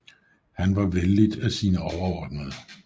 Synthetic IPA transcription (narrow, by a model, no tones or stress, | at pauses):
hænʋɑ̈ʋeldid̥æsiːnəɒʊɐɒ̰ːd̥nəðˠ